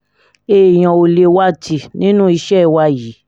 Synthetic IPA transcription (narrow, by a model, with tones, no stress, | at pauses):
e˨j̃ɔ̃˨o˧le˨˧wa˦˨ti˧nĩ˦nũ˦i˧˦ʃɛ˦˨wa˧ji˨˦